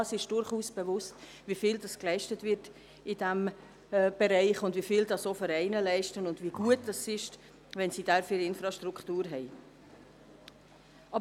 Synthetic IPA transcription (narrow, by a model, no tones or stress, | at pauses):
ɑsɪʃd̥ʊɾχuːsb̥ɛvʊst | vifiːldɑsklɛɪʃtətvɪɾt | ɪdɛm | b̥ɛɾɛɪχʊndvifɪldɑsofəɾɛɪnəlɛɪʃtənʊndviɡ̥uət̚d̥ɑsɪʃt | ʋɛnsid̥ɛɾfyɾɪnfɾɑʃtɾukχtuːɾɦɛɪ | ʔɑb